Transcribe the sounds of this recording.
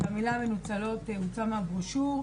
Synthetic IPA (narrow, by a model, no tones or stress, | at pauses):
amilamenut͡salo̞t̪eut͡samabʁuʃu